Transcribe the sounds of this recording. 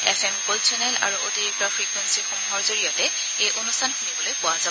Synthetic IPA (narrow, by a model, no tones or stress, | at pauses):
ɛ̰fʰɛmkolsɛnɛla̰ɹuʔotiɹik̚tɔpʰɹikwensixomuɦɔɹzoɹijɔtɛ | ejʔonustʰanxunibɔlojpʊwazabɔ